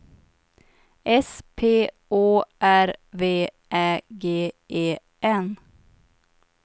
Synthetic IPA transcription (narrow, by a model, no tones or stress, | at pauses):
ʔɛspʰeː | oːʔæɾʋeː | ʔæːɡeːʔeː | ʔɛn